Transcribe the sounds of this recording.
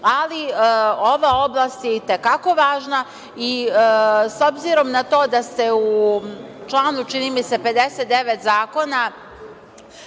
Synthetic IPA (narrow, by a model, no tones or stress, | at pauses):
alio̞ʋao̞blˠaːst̪jeit̪ekako̞ʋaːʒna | i | so̞bziɾo̞mnat̪o̞ːd̪ast̪e̞u | t͡ʃlˠaːnut͡ʃinimise̞pe̞d̪e̞set̪d̪e̞ʋet̪zaːko̞na